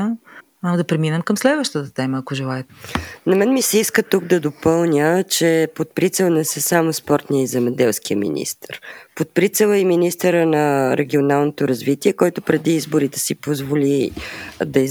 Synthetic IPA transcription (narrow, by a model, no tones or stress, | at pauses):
ad̪ɐpɾɛminɛmkɐmslɛd̪vəʃt̪ət̪ət̪ɛməːkoʒɛlˠaɛt̪nɐmɛnmisɛiskət̪uɡ̚d̪ɐd̪opɤlˠnʲət͡ʃɛpot̪̚pɾit̪sɛlˠnɛsəsamospɔɾt̪nijəizɛmɛd̪ɛlˠskiəmḭnʲḭst̪əɾpot̪̚pɾit̪sɛlˠəiminist̪əɾənəɾʔɛɡʲionalˠnot̪oɾɐzvit̪iɛkɔjt̪ʊpɾɛd̪iizboɾit̪ɛsipozvoli | d̪ɐi